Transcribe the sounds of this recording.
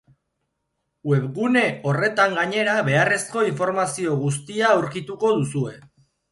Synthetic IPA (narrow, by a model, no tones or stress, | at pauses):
we̞βɣune̞o̞re̞t̪aŋɡaɲe̞ɾaβe̞are̞sko̞iɱfo̞ɾmasio̞ɣ̞us̬t̪iaːwɾkit̪uko̞ðusue̞